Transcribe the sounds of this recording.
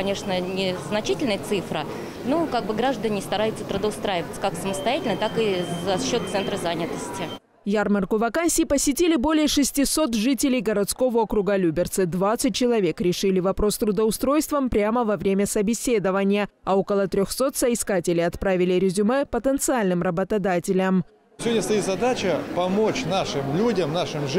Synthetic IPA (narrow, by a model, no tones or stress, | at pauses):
ɐnʲeʂnənʲɪznɐt͡ɕitʲɪlʲnəjət̪sɨfɾə̰ | nokaɡ̚bɨɡɾaʐd̪ənʲɪst̪ɐɾajʊt̪sət̪ɾʊd̪əʊst̪ɾajɪvət̪sə̥kaksəməst̪ɐjatʲɪlʲnəjt̪akɨzɐɕːo̞t̪̚t̪sɛnt̪ɾəzanʲɪt̪əsʲtʲɪ | jarmərkʊvɐkanʲsʲɪːpəsʲɪtʲilʲɪbo̞lʲɪjəʂɨsʲtʲɪso̞t̪ʐɨtʲɪlʲɪjɡəɾɐt̪sko̞vəokɾʊɡalʲubʲɪrt̪sɨd̪vat̪sɨt̚ʲt͡ɕɪlˠɐvʲe̞kɾʲɪʂɨlʲɪvɐpɾo̞st̪ɾʊd̪əʊst̪ɾo̞jst̪vəmpɾʲaməvɐvɾʲemʲəsəbʲɪsʲe̞d̪əvənʲɪjəɐokəlˠət̪ɾʲoxso̞t̪səɪskatʲɪlʲɪjɐt̪pɾavʲɪlʲɪɾʲɪzʲʊmɛpət̪ənt̪sɨalʲnɨmrəbət̪ɐd̪atʲɪlʲəm | sʲɪvodʲnəst̪ɐit̪zɐd̪at͡ɕəpɐmot͡ɕnaʂɨmlʲudʲəmnaʂɨmʐ